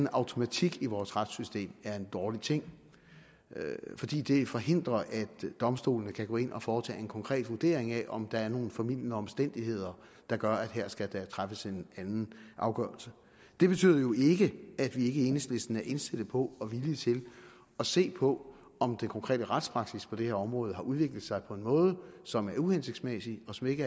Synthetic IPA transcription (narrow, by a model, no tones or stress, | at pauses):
n̩ɑ̈ʊt͡sʰo̝mæt͡sʰiɡ̥iʋɒːsʁad̥sysd̥e̝̰ːmæɐe̝nd̥ɒːlit͡sʰe̝ŋ̰ | fɒ̽d̥ḭːd̥e̝fɒ̽ɦe̝n̰d̥ʁɐʔæd̥d̥ɒ̽msd̥o̝̰ːlnəkʰæɡ̥o̰e̝nʔɒ̽fɒːt͡sʰɛ̰ːe̝nkʰɒ̽ŋkʰʁɛ̰ːd̥ʋuɐd̥e̝̰ɐeŋæʔɒ̽md̥ɑ̈æɐno̝ːn̩fɒmil̰jənəɒ̽msd̥en̰d̥ihe̝ð̞̰ˠɐ | d̥ɑ̈ɡ̥ɶɐæd̥ɦeæɐ̰sɡ̥æd̥æt͡sʰʁafəse̝nænn̩ʔɑ̈ʊɡ̥ɶɐlsə | d̥e̝b̥e̝t͡sʰy̰ð̰ˠɐjo̝e̝ɡ̥əæd̥ʋie̝ɡ̥əenesd̥le̝sd̥n̩æɐʔe̝nsed̥əpʰɒ̽ɒ̽ʋilit͡sʰe̝l | ɒ̽se̝̰ːpʰɒ̽ | ɒ̽md̥enkʰɒ̽ŋkʰʁɛ̰ːdəʁad̥spʰʁɑ̈ɡ̥sispʰɒ̽d̥e̝heɐɒ̽mʁɔ̽ːð̞ˠɦɑ̈ʔuðˠʋe̝ɡ̥ləð̩ˠsɑ̈ɪpʰɒ̽e̝nmɔ̽ːð̞ˠəsɒ̽mæɐuhense̝ɡ̥smesiɒ̽sɒ̽me̝ɡ̥ə